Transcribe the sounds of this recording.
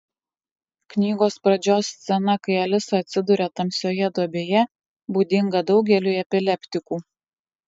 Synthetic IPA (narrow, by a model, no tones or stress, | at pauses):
knʲiːɡoːspɾɐd͡ʒʲoːst̪sʲɛnɐkɐɪɐlʲɪsɐɐt̪ʲsʲɪd̪ʊɾʲɛt̪ɐmʲsʲoːjɛd̪uɔbʲeːjɛ | buːd̪ʲɪŋɡɐd̪ɒʊɡʲɛlʲuːˑɛpʲɪlʲɛpʲt̪ʲɪkuː